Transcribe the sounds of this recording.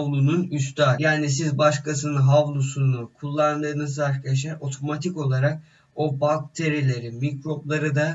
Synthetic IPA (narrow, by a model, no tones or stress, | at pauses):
vlˠununyst̪ʰaːjaːnisizbaʃkʰasɯnɯɦavlˠusunukʰulˠːand̪ɯːnɯzaɾkʰaj̪aʃ̬aɾo̞t̪ʰo̞mat̪ʰiko̞lˠaɾak̚ | obak̚t̪ʰe̞ɾilʲe̞ɾimikɾo̞blˠaɾɯd̪a